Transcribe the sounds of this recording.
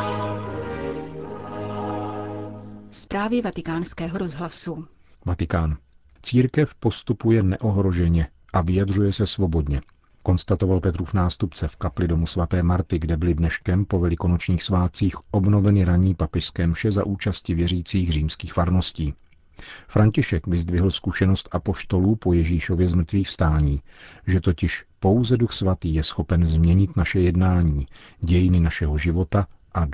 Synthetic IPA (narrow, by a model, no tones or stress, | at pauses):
spɾaːvjɛvat̪ɪkaːnskɛːɦoɾozɦlasu | vat̪ɪkaːn | t͡siːɾkɛfpo̞st̪upujɛnɛʔo̞ɦɾo̞ʒɛɲɛ | ʔavɪjadr̝ujɛsɛsvo̞bo̞dɲɛ | ko̞nst̪at̪ovalpɛt̪ɾuːfnaːst̪upt͡sɛfkaplɪdo̞musvat̪ɛːmaɾt̪ɪɡdɛbɪlɪdnɛʃkɛmpovɛlɪko̞not͡ʃɲiːxsvaːt̪̚t͡siːxʔo̞bno̞vɛnɪɾaɲiːpapɛʃskɛːmʃɛza̰ʔuːt͡ʃascɪvjɛɾiːt͡siːxr̝iːmskiːxfaɾno̞sciː | fɾaɲcɪʃɛkvɪzd̪vɪɦl̩skuʃɛno̞st̪ʔapo̞ʃt̪o̞luːpo̞jɛʒiːʃo̞vjɛzmr̩t̪viːxfst̪aːɲiːʒɛt̪ocɪʃpo̞wzɛduxsvat̪iːjɛsxo̞pɛnzmɲɛɲɪt̪naʃɛjɛdnaːɲiːɟɛjɪnɪnaʃɛɦo̞ʒɪvo̞t̪aʔa